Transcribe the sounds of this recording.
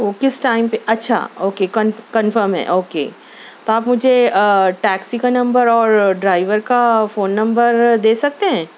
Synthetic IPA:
okɪsʈaːɪmpeʔɐtːʃʰa̰oːkekɐ̃nkɐ̃nfəɾmɦɛ̰ʔoːkḛː | t̪oaːpmʊd͡ʒʱeʈɛːksikanɐ̃mbəɾɔːɾɖɾaːɪʋəɾkafoːnːɐ̃mbəɾd̪eːsɐk̚t̪eɦɛ̃ː

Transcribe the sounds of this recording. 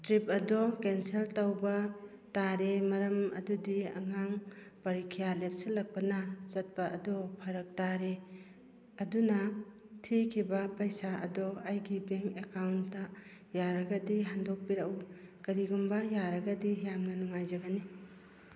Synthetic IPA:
tɾip̚ɐdɔkenseltawbɐ | taɾemɐɾɐmɐ̰dudiɐ̰ŋaŋpɐɾikʰijalep̚silɐk̚pɐnɐsɐt̚pɐɐdɔpʰɐɾɐk̚taɾe | ɐdunɐ | tʰikʰibɐpɐjsaɐ̰dɔajɡibeŋekawntːa | jaɾɐɡɐdiɦandok̚piɾaʔwkɐɾiɡumbɐjaɾɐɡɐdiɦjamnɐnuŋajzɐɡɐni

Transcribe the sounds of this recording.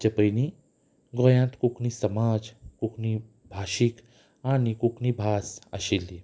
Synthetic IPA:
t͡ʃɐpəjni | ɡoːjãːnt̪kukʰnisɐmaːd͡ʒkukʰni | bʱaːʃik | aːnikukʰnibʱaːsɐ̰ʃilːi

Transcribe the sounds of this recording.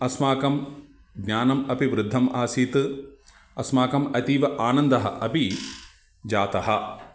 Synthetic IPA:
ɐsmaːkɐm | ɡɲʲaːnɐmɐpiʋɾɪd̪ʱːɐmʔaːsiːt̪ɨ | ɐsmaːkɐmɐt̪iːʋɐʔaːnɐnd̪ɐɦɐ̰ʔɐpi | d͡ʒaːt̪ɐɦɐ̆

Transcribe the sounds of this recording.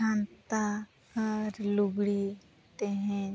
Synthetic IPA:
ãːnt̪a | ɔɾluɡɽi | t̪eɦɛ̃

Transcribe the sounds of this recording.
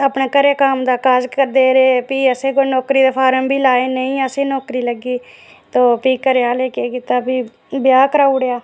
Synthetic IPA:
əpnaːkəɾeːkaːmd̪aːkaːd͡ʒkəɾd̪eːɾeːpiːəseːkoːnɔːkɾiːd̪aːfʰaːɾəmbʱiːlaːeːnəĩːəseːnɔːkɾiːləɡiː | t̪oːpiːkəɾejaːleːkeːkɪt̪aːpiː | bɪjaːkəɾaːʊɽejaː

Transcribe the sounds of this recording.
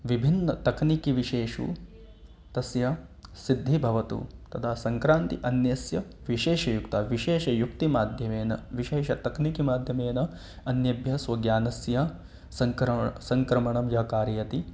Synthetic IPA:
ʋibʱinːɐt̪ɐknikiʋiʃeːʂṵ | t̪ɐsjɐsid̪ʱːibʱɐʋɐt̪ṵt̪ɐt̪ʰaːsɐŋkɾaːnt̪iʔɐnjɐsjɐ | ʋiʃeːʃɐjukt̪ɐːʋiʃeːʃɐjukt̪imaːd̪ʱjɐmeːnɐʋiʃeːʃɐt̪ɐknikimaːd̪ʱjɐmeːnɐ | ɐnjɐbʱjɐsʋɐɡjaːnɐsjɐ | sɐŋkɾɐsɐŋkɾɐmɐɳɐmjɐɦɐkaːɾjjɐt̪i

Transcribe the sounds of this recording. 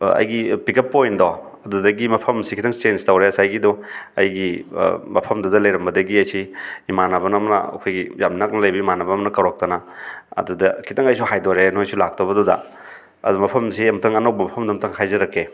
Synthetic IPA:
ɐ̰jɡipiket̚pːojndɔ | ɐdudɐɡimɐpʰɐmsikʰitʰɐŋt͡ʃenstɐwɾeɐsajɡidɔɐjɡimɐpʰɐmdɐdɐlɐjɾɐmbɐdɐɡiɐjsiimanɐbɐnɐmɐnɐ̰ɐ̰kʰojɡijamnak̚nɐlɐjbɐimanɐbɐmɐnɐkawɾak̚tɐnɐɐ̰dudɐkʰitɐŋɐjsuhajdɔɾenojsulak̚tobɐdɔdɐ̰ | ɐ̰dumɐpʰɐmsiɐmtʰɐŋɐnowbɐmɐpʰɐmdɐmtʰaŋhajzɐɾɐkʰːe

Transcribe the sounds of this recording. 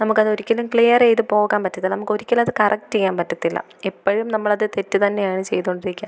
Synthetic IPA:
nɐmukːɐðo̞ɾikʲːɐlumkɭijɐrejt̪ɨpo̞ːɣaːnpɐtːɐt̪ːilːɐnɐmukːo̞ɾikʲːɐlmɐðɨkɐrʔɐk̚tejaːmpɐtːɐt̪ːilːɐ̰ | epːɐɻɐjumnɐmːɐɭɐðɨt̪e̞tːɨt̪ɐnːe̞jaːɳɨt͡ɕe̞̰jt̪uoɳɖiɾikʲːa

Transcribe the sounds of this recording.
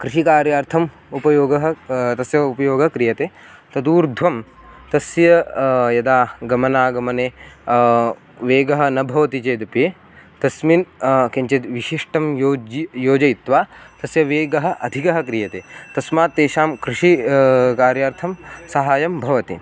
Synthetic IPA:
kɾiʃikaːɾjaːɾt̪ʰɐm | upɐjoːɡɐɦɐt̪ɐsjɐupɐjoːɡɐkɾijɐt̪eː | t̪ɐd̪uːɾd̪ʱʋɐm | t̪ɐsjɐjɐd̪aːɡɐmɐnaːɡɐmɐneː | ʋeːɡɐɦɐ̆nɐbʱɐʋɐt̪it͡ʃeːd̪ɐpe | t̪ɐsminkeɲt͡ʃɐt̪ʋiʃiʂʈɐmjoːjoːd͡ʒɐjit̪ʋaːt̪ɐsjɐʋeːɡɐɦɐ̆ʔɐd̪ʱikɐɦɐ̆kɾijɐt̪eːt̪ɐsmaːt̪ːeːʃaːmkɾiʂikaːɾjaːɾt̪ʰɐmsɐɦaːjɐmbʱɐʋɐt̪ḭ

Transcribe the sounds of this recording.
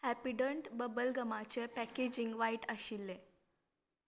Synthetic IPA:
ɛpiɖəɳʈbəbəlɡəmat͡ɕepɛked͡ʑiŋɡʋaiʈəɕilːe

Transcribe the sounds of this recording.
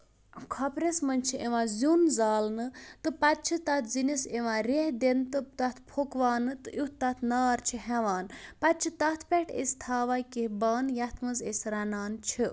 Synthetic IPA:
kʰɐpɾesmɐnʲt͡ʃʰiʔeʋãːzʲunzaːlnɨt̪ɨpɐt̪̚t͡ʃʰit̪ɐt̪ʰziniseʋãːɾehd̪ent̪ɨt̪ɐt̪ʰpʰokʋaːnɨt̪ɨʔut̪ɐt̪ʰnaːɾt͡ʃʰiɦɛʋaːnpɐt̪̚t͡ʃʰit̪ɐt̪ʰpʲeʈʰḛsʲt̪ʰaːʋaːkihbaːnjɐt̪ʰmɐzesʲɾɐnaːnt͡ʃʰi

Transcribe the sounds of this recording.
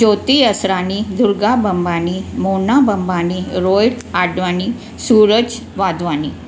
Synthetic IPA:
d͡ʑot̪iəsɾanid̪uɾɡabəmbanimoɳabəmbaniɾojɽ | aɖʋani | suɾəd͡ʑ | ʋad̪ʋani

